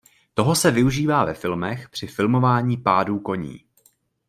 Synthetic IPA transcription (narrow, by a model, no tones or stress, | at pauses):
t̪o̞ɦo̞sɛvɪuʒiːvaːvɛfɪlmɛxpr̝̥ɪfɪlmo̞vaːɲiːpaːduːko̞ɲḭː